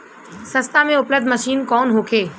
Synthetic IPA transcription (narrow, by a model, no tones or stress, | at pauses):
sɐst̪amẽʊpləb̚d̪ʱməʃiːnkɔːnɦoːkʰeː